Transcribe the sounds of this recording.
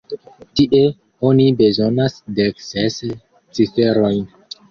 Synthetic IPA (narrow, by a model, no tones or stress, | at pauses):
tiʔe̞ | onibe̞zo̞nasdeksese | t͡sife̞ɾo̞jn